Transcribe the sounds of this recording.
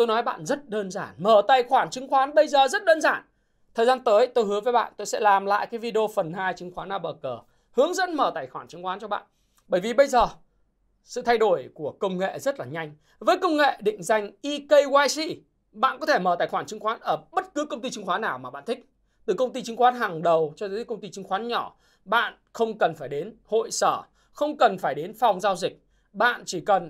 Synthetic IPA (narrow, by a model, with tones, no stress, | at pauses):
t̪o˧jnɔ˨˦jɓa̰ː˧˨nzə˦˥t̚ɗəː˧nzaː˧˩nməː˧˩t̪aː˨˩jxwaː˧˩nt͡ɕɨ˨˦ŋxwaː˨˦nɓə˧jzəː˨˩zə˦˥t̚ɗəː˧nzaː˧˩n | t̪ʰəː˨˩jzaː˧nt̪əː˨˦jt̪o˧jhɦɨ˨˦və˨˦jɓa̰ː˧˨nt̪o˧jsɛ̰˧˥laː˨˩mla̰ː˧˨jkaː˨˦jvi˧ɗə˧o˧fə˨˩nhaː˧jt͡ɕɨ˨˦ŋxwaː˨˦naː˨˩wɓəː˨˩kəː˨˩ | hɨ˨˦əŋzə̰˧˥nməː˧˩t̪aː˨˩jxwaː˧˩nt͡ɕɨ˨˦ŋxwaː˨˦nt͡ɕɔ˧ɓa̰ː˧˨n | ɓəː˧˩jvi˨˩ɓə˧jzəː˨˩ | sɨ̰˧˨t̪ʰa˧jɗo˧˩jku˧˩əkə˧wŋ͡mŋḛ˧˨zə˦˥t̚laː˨˩ɲa˧jŋ̟ | vəː˨˦jkə˧wŋ͡mŋḛ˧˨ɗḭ̈˧˨ŋ̟za˨˩jŋ̟ʔi˧kə˧jwaː˧jsḭ˧ | ɓa̰ː˧˨nkɔ˨˦t̪ʰe˧˩məː˨˩t̪aː˧˨˩jxwaː˧˩nt͡ɕɨ˨˦ŋxwaː˨˦nʔəː˧˩ɓə˦˥t̚kɨ˨˦kə˧wŋ͡mt̪i˧t͡ɕɨ˧˦ŋxwaː˨˦naː˨˩wmaː˨˩ɓa̰˧˨nt̪ʰï˦˥k̚ | t̪ɨ˨˩kə˧wŋ͡mt̪i˧t͡ɕɨ˨˦ŋxwaː˨˦nɦaː˨˩ŋɗə˨˩wt͡ɕɔ˧t̪əː˨˦kə˧wŋ͡mt̪i˧t͡ɕɨ˨˦ŋxwaː˨˦nɲɔ˧˩ | ɓa̰ː˧˨n | xə˧wŋ͡mkə˨˩nfaː˧˩jɗe˨˦nho̰˧˨jsəː˧˩ | xə˧wŋ͡mkə˨˩nfaː˧˩jɗe˨˦nfa˨˩wŋ͡mzaː˧wzï˨˩k̚ | ɓa̰ː˧˨nt͡ɕi˧˩kə˨˩n